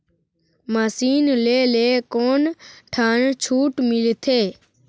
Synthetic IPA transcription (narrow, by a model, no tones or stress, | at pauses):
masiːnleːleːkoːnʈʰaːnt͡ʃʰuːʈmɪlt̪ʰeː